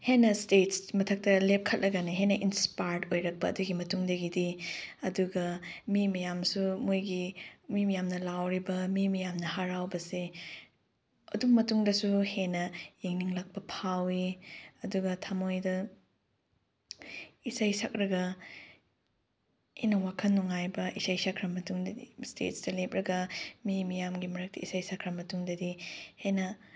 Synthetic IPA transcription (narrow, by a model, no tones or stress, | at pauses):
henɐstetsmɐtʰɐk̚tɐlep̚kʰɐt̚lɐɡɐniɦenɐʔinspajɾdojɾɐk̚pɐɐ̰duɡimɐtuŋdɐɡidiɐduɡɐmimɐjamsumojɡimimɐjamnɐlawɾibɐmimɐjamnɐhaɾawbɐse | ɐdukmɐtuŋdɐsuhenɐjeŋniŋlak̚pɐpʰawiɐduɡɐtʰamojdɐ | isajsak̚ɾɐɡɐ | ejnɐwakʰɐnːuŋajbɐʔisajsakʰɾɐmːɐtuŋdɐdistḛt̚stɐlepɾɐɡɐmimijamɡimɐɾɐk̚tiḭsajsakʰɾɐmɐtuŋdɐdihenɐ